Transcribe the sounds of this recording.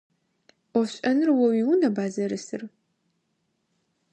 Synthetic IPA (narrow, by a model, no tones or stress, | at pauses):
ɔɕʼɐnɨrwɔwiwʊnɐbaːzɐɾɨsɨr